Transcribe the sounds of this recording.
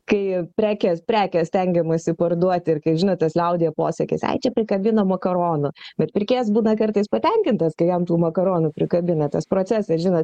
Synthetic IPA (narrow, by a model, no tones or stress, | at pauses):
kɐɪpʲɾʲæːkʲɛspʲɾʲæːkʲɛsʲt̪ʲɛŋʲɡʲɛmɐsʲɪpɐrd̪uɔt̪ʲɪrkɐɪʒʲɪnoːt̪t̪ɐslʲɛʊd̪ʲeːjɛpoːsʲɛkʲɪ̰sɐ̰ɪt͡ʃʲɛpʲɾʲɪkɐbʲɪnomɐkɐɾoːnʊbʲɛt̪pʲɪɾʲkʲeːs̬buːnɐkɐrt̪ɐɪspɐt̪ʲɛŋʲkʲɪnt̪ɐskɐɪjɛmt̪uːmɐkɐɾoːnʊpʲɾʲɪkɐbʲɪnɐt̪ɐspɾoːt͡sʲæsʲɛsʒʲɪnɐːt̪